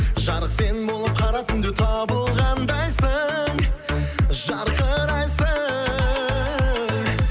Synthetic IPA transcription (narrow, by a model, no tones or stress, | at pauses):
ʒɑɾəqse̞nɪbo̞lˠəp̚qʰɑɾɑt̪ɪnd̪et̪ʰɑbəlˠʁɑnd̪ɑjsəɴ | ʒɑɾqəɾɑjsə